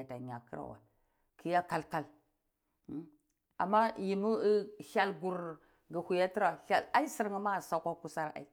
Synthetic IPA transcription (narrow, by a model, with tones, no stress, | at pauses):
a˨ta˨ɲa˨kə˦ɾa̰˨wa̰˨ | kʰi˦ja˦ka˦lka˦l | a̰˨mːa˦ji˨mu˦ʃa˨lɡu˨ɾ | ɡə˨hu˨ja˦ti˦ɾa˨ɬa˨la˦i˦si˦ɾŋi˦ma˦˨sa˦kʷa˦ku˦sa˦ɾa̰˨i˦